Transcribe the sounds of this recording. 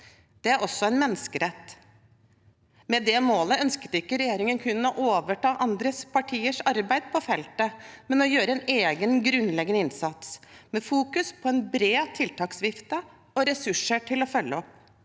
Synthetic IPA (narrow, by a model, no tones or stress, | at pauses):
d̪̥ɛæɾɔsːɔɛnmɛnːəskəɾɛt̪ː | mɛd̪ɛmoːləœnskə̥t̪ɪkːəɾɛjeːɾɪŋənkʰʉnːɔʔoːʋəʈɑːʔɑnd̪ɾəspʰɑʈʰiːəʂɑɾbæɪd̪̥pʰɔfɛlt̪əmɛnɔjøːɾəɛneːɡənɡɾʉnlɛɡənəɪnsɑt̪smɛfuːkʉspʰɔɛnbɾeːt̪ʰɪlt̪ɑːksʋɪft̪ə | ɔɾɛsʉʂəʈʰɪlɔfœlːəɔpː